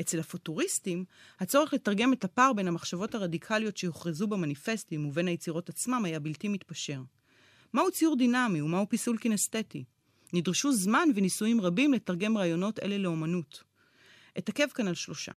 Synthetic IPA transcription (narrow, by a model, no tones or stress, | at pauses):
ʔet͡se̞lhafotuʁistimhat͡so̞ʁeχle̞taʁɡe̞me̞thapaʁbe̞nhamaχʃavo̞thaʁadikʰalijo̞tʃe̞joχʁezubemanife̞stimuve̞nhajet͡siʁo̞tat͡smamajabiltimitpaʃe̞ʁ | mahut͡sijuʁdinamiumahupisulkineste̞ti | nidʁeʃuzmanvenisujimʁabimle̞taʁɡe̞mʁaːjo̞no̞te̞̰le̞leo̞manut | ʔetake̞vkanalʃlo̞ʃa̰